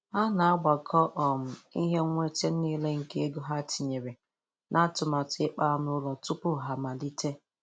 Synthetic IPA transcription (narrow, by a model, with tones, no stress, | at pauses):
a˦na˨a˦ɡ͡ba˨kʰɔ˦ʔɔ˨m̩˨i˦ɦe˦ŋʷe˦te˦n̩˦niː˦le˦ŋ̩˨ke˦e˦ɡo˦ɦa˦ti˨ɲe˨ɾe˨ | nʔa˦tʊ˨ma˨tɪ˦k͡pa˦n˦ʊ˦ɾɔ˨tʊ˦pʊ˦˨ɦa˨ma˨di˦te˦